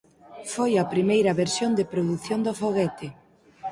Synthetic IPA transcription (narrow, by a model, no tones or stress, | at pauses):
fojɐpɾimejɾɐβeɾsjond̪ɪpɾoðuθjond̪ofoɣɛt̪ɪ